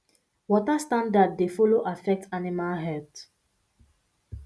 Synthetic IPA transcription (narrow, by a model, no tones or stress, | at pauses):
wɔtastãndadːefɔloʔafɛk̚tanimalɦɛlt